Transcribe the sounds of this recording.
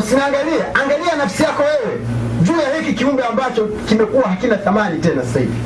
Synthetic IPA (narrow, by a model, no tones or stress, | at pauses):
sinaːŋɡaliaʔaŋɡalianafsijakɔwɛwɛ | ʄuːjahikikiumɡɛambat͡ʃɔ | kimɛkuwahakinaθamanitɛnasasahḭvi